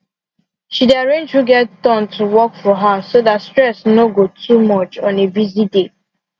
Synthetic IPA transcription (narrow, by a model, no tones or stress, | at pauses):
ʃideaɹẽnd͡ʒhuɡɛtdɔ̃ntʰuwɔkfɔɦasodatstɹɛsnoɡotʰumɔt͡ʃɔ̃nebizide